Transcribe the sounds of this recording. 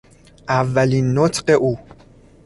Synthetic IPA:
ʔævːæliːnːot̪ʰɢe̞ʔuː

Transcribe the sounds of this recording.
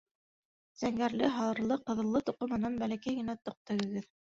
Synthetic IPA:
z̥æŋɡæɾlɘɦɑlˠɤ̆ɾlˠɤqɤ̆ðɤ̆lˠːɤt̪uqɤmɘ̆nɑnbælækæjɡɘ̆næt̪ŏq̚t̪ɤ̆ɣɤ̆ɡɘð

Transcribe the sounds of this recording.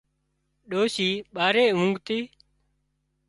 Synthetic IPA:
ɗoːsiːɓaːɾeːɦũŋɡt̪iː

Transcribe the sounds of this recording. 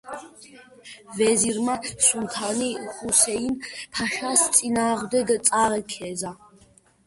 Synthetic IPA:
vɛziɾmasunt̪ʰaniχusɛinpʰaʃast͡s̪ʼinaːʁd̪ɛɡt͡s̪ʼaːɾɛkʰɛza

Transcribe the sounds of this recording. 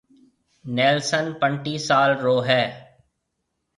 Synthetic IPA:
nɛːlsənpə̃ɳʈiːsaːlɾoːɦɛː

